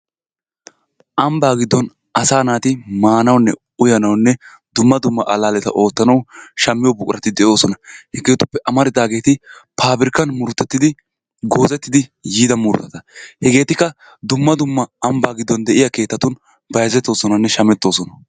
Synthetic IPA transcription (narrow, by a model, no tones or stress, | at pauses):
ʔɐmbaːɡɪd̪ːɔn | ɐsaːnaːt̪ɪmaːnɐwnːɛ̰ | ʊjɐnɐwnːɛ | d̪ʊmːɐd̪ʊmːɐʔɐlaːlɛt̪ɐ̰ʔo̞ːt̪ːɐnɐwʃɐmːɪjɔbʊkʼʊɾɐt̪ɪd̪ɛjo̞ːsɔnɐhɛɡe̞ːt̪ʊpːɛʔɐmɐɾɪd̪aːɡe̞ːt̪ɪpʰaːbɪɾɪkːɐnmʊɾʊt̪ːɛt̪ːɪd̪ɪ | ɡo̞ːzɛt̪ːɪd̪ɪjiːd̪ɐmʊɾʊ̰t̪ːɐt̪ɐhɛɡe̞ːt̪ɪkːɐ | d̪ʊmːɐd̪ʊmːɐːmbaːɡɪd̪ːɔnd̪ɛʔɪjake̞ːt̪ːɐt̪ʊn | bɐjɐzɛt̪ːo̞ːsɔnɐnːɛʃɐmɛt̪ːo̞ːsɔnɐ